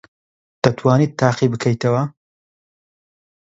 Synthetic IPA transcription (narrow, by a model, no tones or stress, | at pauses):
d̪̥ɐt̪ʰwaːnit̪ːaːqibɨkʰɐjt̪ɐwɐ